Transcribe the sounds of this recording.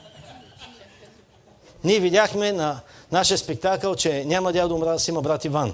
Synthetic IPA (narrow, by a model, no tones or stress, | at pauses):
niɛvid̪ʲaxmɛnɐnaʃijəspɛk̚t̪akəlˠt͡ʃɛnʲamɐd̪ʲad̪oʊmɾad̪əsimɐbɾat̪ivan